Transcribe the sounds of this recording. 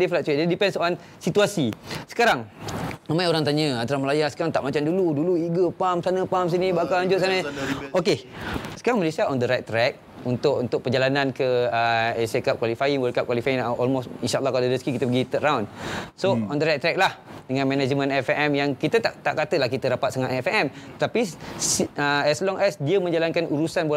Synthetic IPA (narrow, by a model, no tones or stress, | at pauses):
diflat̚twedɛdipɛnsəoɾaŋ | sit̪uasisə̥kaɾaŋamãjoɾaŋt̪aɲə̃ant̪aɾahməlajasə̥kaɾaŋt̪a̰ʔmat͡ʃamduluduluiɡəpamsanə̃pams̬inibakalɲd͡ʒʊʔ̚sanəokesə̥kaɾaŋmalesiaɔndəɾajt̪̚t̪ːɾɛk̚ | unt̪ʊʔunt̪ʊk̚pərd͡ʒalanankəəesekap̚kwalifaiŋwəlkap̚kwalifainʔɔlmosinʃaʔalːɑhkadadəsə̥kikit̪əp̬əɡit̪əʔɾawnsoɔndəɾajt̪̚ːɾɛk̚lahdəŋãnmɛ̃nad͡ʒmə̃nɛfʔɛmjaŋkit̪ət̪aʔt̪aʔkat̪əlahkit̪əɾapat̪saŋaʔɛfɛmt̪ət̪apisəɛslɔŋʔɛsdiəmə̃ɲd͡ʒalankanʔuɾusanbo